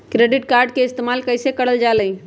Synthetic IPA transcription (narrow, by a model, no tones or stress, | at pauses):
kɾeɖɪʈ̚kaɾɖ̚keɪst̪emaːlkəjsekəɽəld͡ʒaləĩ